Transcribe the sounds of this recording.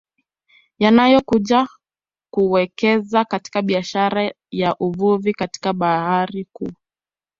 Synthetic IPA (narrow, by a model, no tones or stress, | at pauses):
janajɔkuʄa | kuwɛkɛzakati̥kaɓiaʃaɾa | jaʔuvuvikati̥kaɓahaɾikuː